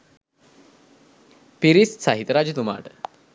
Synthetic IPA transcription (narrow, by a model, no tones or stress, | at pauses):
piɾissaɦit̪əɾad͡ʒut̪uma̰ːʈə̥